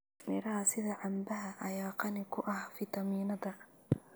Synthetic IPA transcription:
mɪɾɐɦɐsɪðɐʕɑmbɐɦɐʔɐjaːqɑnɪkʰʊʔɐhfɪt̪ʰɐmiːnɐðɐ

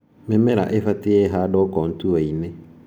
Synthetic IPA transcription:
memɛɾa̰ʔefatɪɛɦadɔkɔn̩tuaime

